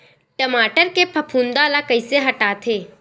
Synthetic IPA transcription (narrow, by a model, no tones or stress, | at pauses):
ʈəmaːʈəɾkepʰɐpʰũːnd̪aːlakɐiseɦɐʈaːt̪ʰeː